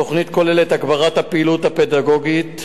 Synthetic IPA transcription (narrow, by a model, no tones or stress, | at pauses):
o̞χnit̪ko̞leletaɡbaʁathapeːluthapedaɡo̞ɡit